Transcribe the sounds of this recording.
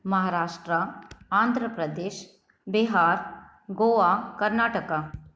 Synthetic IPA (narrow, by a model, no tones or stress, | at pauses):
mɐɦaːɾaːʂʈɾɐaːnd̪ʱɾəpɾɐd̪eːʃ | biɦaːɾ | ɡoːʋakɐɾnaːʈɐka